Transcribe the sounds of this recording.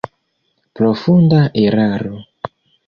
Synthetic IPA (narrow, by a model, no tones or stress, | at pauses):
pɾo̞fundaʔeɾaɾo